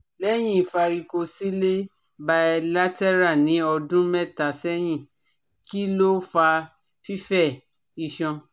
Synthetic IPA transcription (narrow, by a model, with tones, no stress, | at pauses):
lɛ˦j̃ĩ˦˨fa˧ɾi˧ko˧si˦le˦ | ba˧ɛ˧la˦tɛ˦ɾa˦˨nĩ˨˦ɔ˧dũ˦mɛ˦˨ta˨sɛ˦j̃ĩ˦˨ | ki˦lo˦fa˧ | fi˦fɛ˦˨ | i˧˨ʃɔ̃˧